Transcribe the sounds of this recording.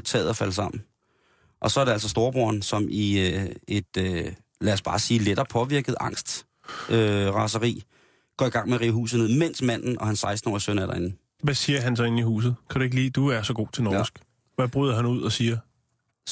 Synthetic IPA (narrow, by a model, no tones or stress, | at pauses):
t͡sʰɛ̰ːð̩ˠɒfæləsɑ̈m̰n̩ | ʔɒ̽sɒ̽æɐɾe̝æl̰s̬ɒsd̥o̝ːɐb̥oɐnsɒ̽mʔie̝d̥ø | lɛɒsb̥ɑ̈ːsiːleɾ̥ɐːpʰɒ̽ʋiɐɡ̥ð̞̩ˠɑ̈ŋ̰sd̥ | øʁɑ̈səʁḭː | ɡ̥ɒ̰ːiɡ̥ɑ̈ŋ̰meʁiːɦṵːs̬ð̩ˠne̝ð̰ˠmen̰smæn̰n̩ʔɒ̽hænsɑ̈ɪsd̥n̩ɒ̰ːisøn̰æɐɾɑ̈e̝nn̩ | ʋæsiːɐɦæns̬ɒ̽e̝n̩ihṵːs̬ð̩ˠkʰæd̥ɾ̥ue̝ɡ̥liːd̥uæɐsɒ̽ɡ̥o̝̰ːt͡sʰe̝lnɒːsɡ̥ | ʋæb̥ʁyð̞ˠɦænuð̞̰ˠɒsiːɐ